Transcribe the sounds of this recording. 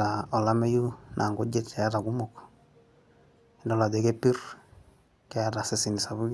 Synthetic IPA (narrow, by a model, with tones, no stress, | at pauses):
a˨ɔ˨la˦me˦ju˦nʔa˨ŋɡo˦d͡ʒe˦˨tja˦ta˨ku˦mo˨k | ɪ˨ndɔ˦la˨de˨ke˦pi˦r | kɛ˦ja˦ta˨se˨si˨ni˨sa˨βu˦